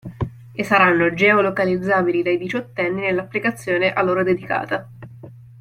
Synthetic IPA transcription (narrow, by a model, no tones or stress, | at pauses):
esːaɾanːod͡ʒɛolokalid̪zːaːbilid̪ajd̪it͡ʃot̪ːɛnːinelːapːlikat̪sːjoːneʔalːoːɾod̪ed̪ika̰ːt̪a